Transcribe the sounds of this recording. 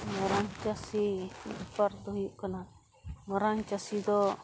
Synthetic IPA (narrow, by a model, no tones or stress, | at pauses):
mɔɾaŋt͡ʃasḭpaɾd̪ɔɦujuʔkana | mɔɾaŋt͡ʃasid̪ɔ